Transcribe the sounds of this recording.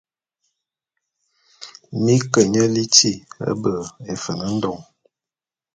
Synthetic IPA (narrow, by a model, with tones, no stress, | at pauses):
mi˦kə˨ɲə˦li˦ti˦˨ə̰˦bə˨e˨fə˨nə˦n̩˦dɔ˨ŋ